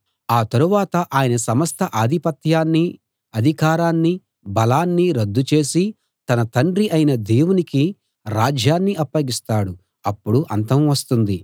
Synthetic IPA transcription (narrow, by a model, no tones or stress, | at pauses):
aːt̪ɐɾuʋaːt̪ɐʔaːjɐnɐsɐmɐst̪ʰɐʔaːd̪ʱipɐt̪jaːnːi | ɐd̪ʱikaːɾaːnːi | bɐlaːnːiɾɐd̪ːut͡ʃe̞ːsi | t̪ɐnɐt̪ɐɳɖɾiʔɐjinɐd̪eːwuniki | ɾaːd͡ʒjaːnːiʔɐpːɐɡist̪aːɽu | ɐpːuɽuʔɐnt̪ɐmʋɐst̪und̪i